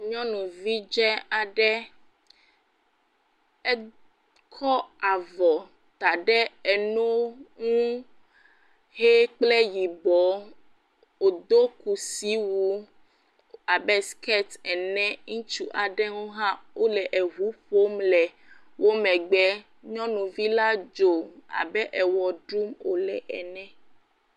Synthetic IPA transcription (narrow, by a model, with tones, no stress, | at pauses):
ɲɔ̃˦nũ˨vi˦d͡ʒɛ˦a˨ɖɛ˦ | ɛ˦ | kʰɔ˦a˨vɔ˨ | t̪a˨ɖɛ˦ɛ˨nõ˦ŋũ˦ | he˦k͡ple˦ji˨bɔ˨˦ | o˨d̪o˦ku˨si˨˦wu˦ | a˨bɛ˦skɛ˦t̪ɛ˨nɛ̃˦ŋũ˦t͡ʃu˨ʔa˨ɖɛ˦ŋũ˦ɦã˦wo˦lɛ˨ʔɛ˨ɦu˨˦ɸo˦mlɛ˨ | wo˦mɛ̃˨ɡ͡bɛ˦ | ɲɔ̃˦nũ˨vi˦la˦d͡ʒo˨a̰˨bɛ˦ʔɛ˨wɔ˨ɖɾu˦mo˨lɛ̰˨ʔɛ̰˨nɛ̃˨